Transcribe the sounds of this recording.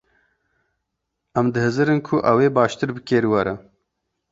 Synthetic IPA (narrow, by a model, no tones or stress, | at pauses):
ɐmd̪ɨhɨzɨɾɨnkʰʊʔɐweːbɑːʃt̪ɨɾbɨkeːɾwɐɾɐ